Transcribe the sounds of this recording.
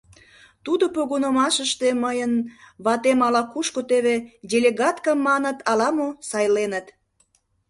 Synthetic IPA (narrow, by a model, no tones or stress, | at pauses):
t̪ud̪opoɣonomɑʃəʃt̪eməjənβɑt̪emɑlɑkuʃkot̪eβedʲelʲeɣɑt̪kɑmːɑnət̪ɑlɑmosɑjlenət̪